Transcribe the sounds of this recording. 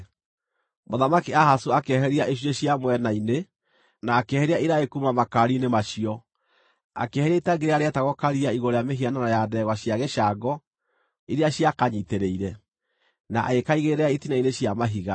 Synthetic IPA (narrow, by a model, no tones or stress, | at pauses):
moðamakiaɦasoakɛɦɛɾiaʔeɕ̬ioɕjamwɛnaine | naːkɛhɛɾiaiɾaekumamakaɾinemaʃiɔ | a̰kehɛɾaitaŋɡeɾeaɾeataɣɔkaɾiaiɣoɾejameɦiananajaðɛɣwaɕjaɣɛʃaɡɔ | iɾeaɕjakaɲiteɾeiɾɛ | naʔa̰ɣekaiɣeɾɛaitinaineɕjamaɦiɣa